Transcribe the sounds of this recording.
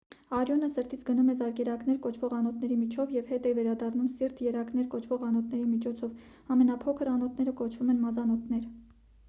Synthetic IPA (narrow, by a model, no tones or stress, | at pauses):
ɑɾjɔnəsəɾt̪ʰit͡sʰɡənumɛzɑɾkɛɾɑkn̪ɛɾkɔt͡ʃʰvɔʁɑnɔt̪̚ʰnɛɾimit͡ʃʰɔvjɛvhɛt̪ɛvɛɾɑd̪ɑrnumsiɾt̪jɛɾɑknɛɾkɔt͡ʃʰvɔʁɑnɔt̪̚ʰnɛɾimit͡ʃʰɔt͡sʰɔv | ɑmɛnɑpʰɔkʰəɾɑnɔt̪ʰnɛɾəkɔt͡ʃʰvumɛnmɑzɑnɔt̪ʰnɛɾ